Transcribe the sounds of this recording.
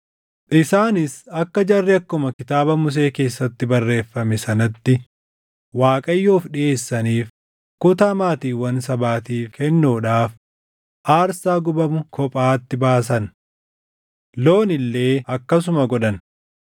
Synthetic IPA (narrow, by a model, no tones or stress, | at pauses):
ʔɪsaːnɪsɐkːɐd͡ʒɐrːɪɐkːʊmɐkɪt̪aːbɐmʊs̬e̞ːke̞ːsːɐt̪ːɪbɐrːe̞ːfːɐmɛsɐnɐt̪ːɪ | waːkʼɐjːoːfᶑɪʔe̞ːsːɐniːf | kʊt̪aːmaːt̪iːwɐnsɐbaːt̪iːfkɛnːoːᶑaːf | ʔaːɾsaːɡʊbɐmʊkʰɔpʼaːt̪ːɪbaːs̬ɐn | lo̞ːnɪlːe̞ːɐkːɐs̬ʊmɐɡɔᶑɐn